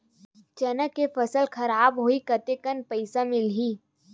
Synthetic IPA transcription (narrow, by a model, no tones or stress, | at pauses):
t͡ʃɐnəkːefəsəlkʰɐɾaːbɦoːikɐt̪ekənpəɪsamɪlɦiː